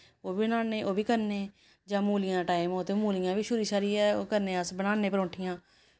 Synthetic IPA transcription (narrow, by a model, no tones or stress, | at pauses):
oːbiːnaːneːʔoːbiːkəɾneː | d͡ʒãːmuːlɪjãːʈaːɪmoːt̪eːmuːlɪjãːbiːʃʊːɾiːʃaːɾiːɛːo̰ːkəɾnẽːəsbənaːneːpəɾõːʈʰɪjãː